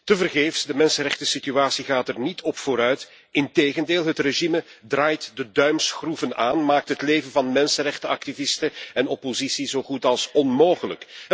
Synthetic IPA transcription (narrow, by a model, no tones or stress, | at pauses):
təvərɣeːfsdəmɛnsənrɛxtəsityaːsiɣaːtɛrnitʰɔpfoːɾœɥt | ɪnteːɣəndeːlˠɦətreʒimədraːjtdədœɥmsχruvənaːnmaːk̚tɦətleːvənvɑnmɛnsənrɛxtəɑk̚tivɪstəɛnɔpozisiz̥oːχutɑlˠsɔnmoːɣələ̰k